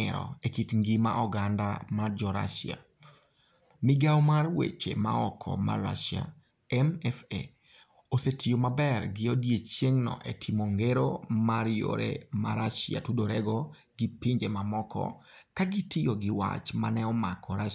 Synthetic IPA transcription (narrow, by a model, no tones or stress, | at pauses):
ɪ̰ɾɔ̰ekitŋɡima̰ʔɔɡanda̰mard͡ʒɔɾa̰ʃa̰ | mɪɡawmarwḛt͡ʃḛma̰ɔkʰɔ̰ma̰ra̰ʃja̰ | ɛmɛfḛ | osetʰijomabɛrɡɪodjet͡ʃjeŋnɔ̰ʔetʰimoŋɡeɾo̰maɾjo̰ɾḛma̰ɾaʃja̰tudoɾɛɡɔ | ɡ̥ɪpɪɲd͡ʒemamɔkʰɔ̰ | kaɡɪtɪjoɡɪwa̰t͡ʃmanɛɔmakʰɔɾa